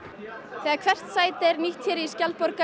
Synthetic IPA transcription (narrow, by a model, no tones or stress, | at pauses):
θɛːɣaɾkʰvɛr̥t̪saːjt̪ɛɾniht̪çɛɾiscalpɔɾka